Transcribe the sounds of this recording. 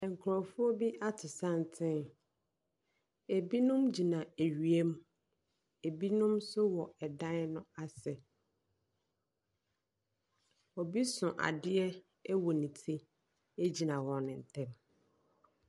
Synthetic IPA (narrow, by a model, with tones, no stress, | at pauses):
ɛ˨ŋ̩˨kʰɾɔ̃˨fʊ˦ɔ˦bi˦ʔa˦tʰɪ˨sã˦n˨tʰɪ̃˦ | e˨bi˦nʊ̃˦md͡ʑi˨nã˨e˨ɥi˨e˦m˦ | e˨bi˦nʊ̃˦msʊ˦wɔ˨ɛ˨dã˦nʊ̃˦a˦sɛ˨ | ɔ˨bi˦sʊ̃˨ʔa̰˨dɪ˦ɛ˦ | wɔ˨nĩ˨tʰĩ˦ | e˦d͡ʑi˨nã˨wɔ̃˨nɪ̃˨n̩˨tʰɛ̃˦m